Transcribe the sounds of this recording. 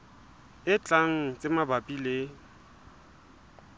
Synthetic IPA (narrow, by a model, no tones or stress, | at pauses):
ɪt͡ɬʼaŋ̩t͡sʼɪmabapʼile